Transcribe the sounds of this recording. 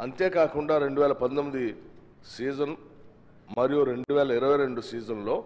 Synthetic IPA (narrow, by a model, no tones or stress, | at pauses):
ɐnt̪eːkaːkuɳɖaːɾe̞ɳɖuʋɛːlɐpɐd̪t̪ɐmːid̪i | siːd͡ʒɐn | mɐɾijuɾe̞ɳɖuʋɛːlɐiɾɐʋɐjɾe̞ɳɖusiːd͡ʒɐnlo̞ː